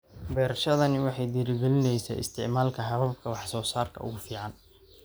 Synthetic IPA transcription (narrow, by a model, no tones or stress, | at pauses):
bɛːɾɐʃɐðɐnɪwɑħɑjd̪ɪɾɪɡɛlɪnɛjsa̰ːɪ̰st̪ʰɪ̰ʕmaːlkʰɐɦɐβɐb̚kʰɐwɑħsɔːsaːrkʰɐ̰ʔʊ̰ɣʊfiːʕɑn